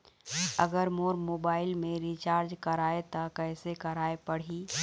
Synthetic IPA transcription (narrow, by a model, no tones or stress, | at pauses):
əɡəɾmoːɾmoːbaːɪlmẽɾit͡ʃaːɾd͡ʒkɐɾaːet̪akɛɪsekɐɾaːepəɽ̤i